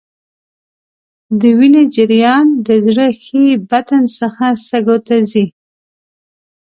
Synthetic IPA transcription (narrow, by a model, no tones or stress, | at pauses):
d̪əwined͡ʒɪɾjɑnd̪əzɽəxebat̪ansəxasaɡot̪azi